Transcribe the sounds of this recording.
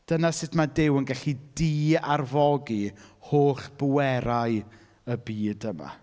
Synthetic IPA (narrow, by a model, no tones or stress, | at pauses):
d̥ənasɪtʰmadɪwənɡɛɬidiːarvɔɡihoːɬb̥əwɛɾaɨ | əbiːdəma̰